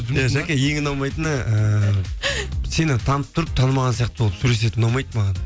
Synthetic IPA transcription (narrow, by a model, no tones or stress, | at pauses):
jaʒækʲejeŋʲɪnɑwmɑjt̪ənəə | se̞nɪt̪ʰɑnəp̚t̪ʰʊɾəp̚t̪ʰɑnmɑʁɑnsijɑqt̪əbolˠəp̪sule̞s̬e̞t̪ɪnɑmɑjt̪mɑʁɑn